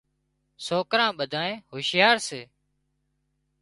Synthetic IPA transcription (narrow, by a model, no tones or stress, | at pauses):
soːkɾãːɓəd̪ʱaːẽːhoːʃjaːɾseː